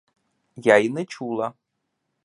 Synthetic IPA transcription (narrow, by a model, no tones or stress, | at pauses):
jainɨt͡ʃʰulˠa